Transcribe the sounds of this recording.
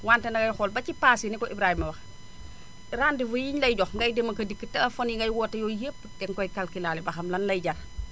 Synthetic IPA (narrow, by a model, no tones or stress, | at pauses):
waːntɛnɐɡɐjxɔːlbɐcipaːsinikɔʔibɾaːhimɐwɐx | ɾaːndifujiɲlɐjɟɔxŋɡɐjdemɐkɐdikːətɐlɐfoniŋɡɐjwɔːtːɐjojepː | dɛŋkɔjkalkilaːlibɐxɐmlɐnlɐjɟal